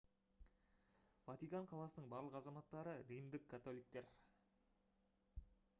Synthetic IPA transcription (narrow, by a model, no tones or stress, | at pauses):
vɑt̪ijkɑɴqʰɑlˠɑsənəɴbɑɾlˠəqɑzɑmɑt̪ːɑɾəɾimd̪ɪkʰːat̪o̞lˠijk̚t̪e̞ɾ